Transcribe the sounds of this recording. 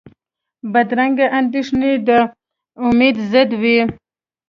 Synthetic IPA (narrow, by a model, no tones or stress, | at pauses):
bad̪ɾaŋɡaʔand̪iʂned̪ə | ʊmed̪zɪd̪wi